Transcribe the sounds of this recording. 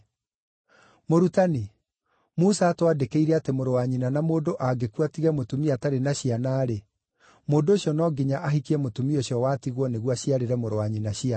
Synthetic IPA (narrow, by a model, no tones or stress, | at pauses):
moɾutani | musaːtwadekeiɾɛatemoɾowaɲinanamoːdoʔaɡekuatiɣɛmotumiataɾenaɕianaːɾe | moːndoːɕjɔnɔɡiɲaʔaɦikiɛmotumioɕjɔwatiɣwɔneɣwaɕiaɾeɾɛmoɾowaɲinaɕia